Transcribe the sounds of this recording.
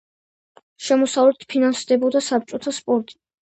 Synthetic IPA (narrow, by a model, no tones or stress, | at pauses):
ʃɛmɔsavlɛt̪ʰpʰinansd̪ɛbɔd̪asap̚t͡ʃ̪ʼɔt̪ʰaspʼɔɾt̪ʼi̥